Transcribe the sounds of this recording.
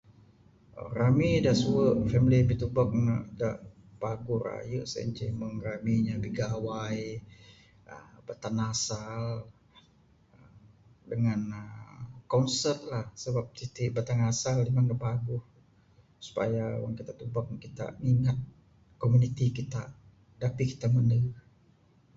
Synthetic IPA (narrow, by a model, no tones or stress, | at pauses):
ə̰ramidaʔsuəʔfɛmilibit̪ubak̚naʔdaʔ | baɡʊhra̰jəʔsə̰ḭɲt͡ʃiməŋramiɲabiɡawaj | ə̰bat̪anasal | ə | dəŋanəkɔnsərt̪̚lahsəbap̚t̪it̪iʔbat̪aŋasaldimaŋdapaɡʊh | su̥pa̰jawa̰ŋkit̪at̪ubak̚kit̪a̰miŋat̪̚ | komunit̪ikit̪a | dapiki̥t̪aməndə